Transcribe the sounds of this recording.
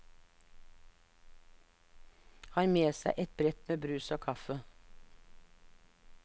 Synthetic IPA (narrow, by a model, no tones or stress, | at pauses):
hɑːɾmeːsæ̰ɪʔɛt̪̚bɾɛt̪meːbɾʉːsoːkʰɑfə